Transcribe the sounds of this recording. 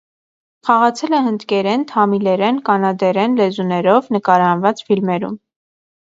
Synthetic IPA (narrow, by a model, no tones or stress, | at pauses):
χɑʁɑt͡sʰɛlɛɦənd̪kɛɾɛnt̪ʰɑmilɛɾɛnkɑnɑd̪ɛɾɛnlɛzunɛɾɔvnəkɑɾɑnvɑt͡sfilmɛɾṵm